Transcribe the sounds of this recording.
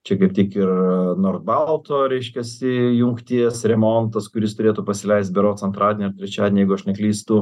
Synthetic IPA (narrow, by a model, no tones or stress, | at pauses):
t͡ʃʲɛkɐɪp̚t̪ʲikɪrnoːrd̪̚bɐlˠt̪oːɾʲɛɪʃʲkʲɛsʲɪjʊŋkt̪ʲiɛsɾʲɛmont̪ɐskʊɾʲɪst̪ʊɾʲeːt̪uːpɐsʲɪlʲɛɪst̪̚bʲɛɾoːt͡ssɐnt̪ɾɑːdʲenʲɛːɐɾt̪ʲɾʲɛt͡ʃʲaːd̪ʲnʲejɛɪɡʊɐʃnʲɛklʲiːst̪ʊ